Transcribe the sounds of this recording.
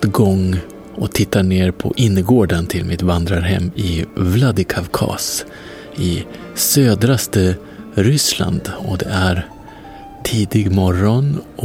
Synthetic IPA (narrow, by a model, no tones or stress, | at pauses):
ɡɔŋː | ɔt̪ʰɪt̪ːaɳeːɾpʰɔ̰ʔɪnːəɡoːɖant̪ʰɪlmʔɪt̪vand̪ɾaɾɦɛ̰mːɪvlad̪ɪkʰavkʰɑ̰ːs | ɪ | søːd̪ɾast̪ə | ɾʏsla̰nd̪ɔd̪ɛ̰æɾ | ʈʰiːd̪ɪɡmɔɾɔnɔ